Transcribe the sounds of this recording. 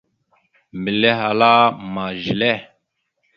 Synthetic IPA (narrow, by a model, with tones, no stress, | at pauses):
mbi˨le˦ɦa˨la˦ma˨ʒi˨le˦˨